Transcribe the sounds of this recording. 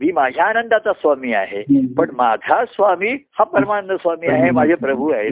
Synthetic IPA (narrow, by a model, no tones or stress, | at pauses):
miːmad͡ʑʱjaːnənd̪at͡sasʋamiːa̰ɦepəɳmad͡zʱasʋamiːhapəɾmanəsʋamiːaɦemad͡zʱapɾəbʱuaɦe